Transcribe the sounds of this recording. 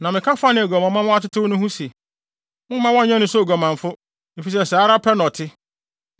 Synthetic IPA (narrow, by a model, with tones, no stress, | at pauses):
nã˨mɪ̃˨kʰa˦fa˦nɪ̃˨æ˨ɡɔ˨mã˨mã˦mʊ̃˦a˦tɪ˦tʰʊ˦wnʊ̃˦ɦũ˦se˨ | mʊ̃˦mã˦wɔ̃˦˨˦ɲɛ̃˦nʊ̃˦sɔ˦˨ɡɔ˨mã˨ɱ̩˨fʊ˦ | mɪ˨fi˨s̬ɛ˨saː˨˦ɾa˦pʰɛ˦nɔ˨tʰɪ˦